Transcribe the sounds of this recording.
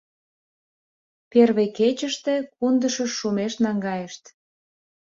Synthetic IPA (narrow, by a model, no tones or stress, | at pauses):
perβeket͡ɕəʃt̪e̽kund̪əʃəːumeʃnɑŋɡɑjeʃt̪